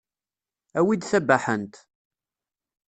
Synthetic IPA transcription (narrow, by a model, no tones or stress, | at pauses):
æwid̪θæbaħənt̪